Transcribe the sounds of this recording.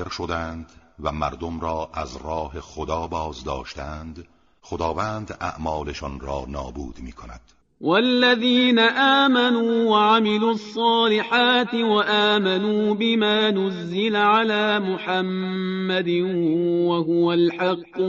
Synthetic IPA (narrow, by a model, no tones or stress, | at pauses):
eɾʃod̪ænd̪væmæɾd̪omɾɒːʔæzɾɒːhe̞xod̪ɒːbɒːzd̪ɒ̰ːʃt̪æænd̪ | xod̪ɒːvæːnd̪æ̰ʔmɒːleʃɒnɾɒːnɒːbuːd̪miːkʰonæ̰d̪̥ | walːaðiːnaʔaːmanuːwaʕamɪluːɑsˤːɑːlɪħaːt̪ɪwaʔaːmanuːbɪmaːnʊzːɪlaʕalaːmʊħamːad̪ɪwaɦʊwalħɑqː